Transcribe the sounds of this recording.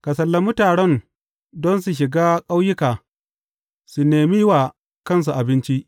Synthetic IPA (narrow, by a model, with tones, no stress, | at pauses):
ka˨s̬ɐ˨lːɐ˦mʊ˦taː˨ɽɛ˦n | dɔ˦ns̬u˨ʃ̬ɪ˨ɡaː˦kʼa˦wjɪ˦kaː˨ | su˨neː˨mi˦waː˨ | kɐ˦˨ns̬u˨ʔa˨bɪ˦nt͡ʃi˦ʔ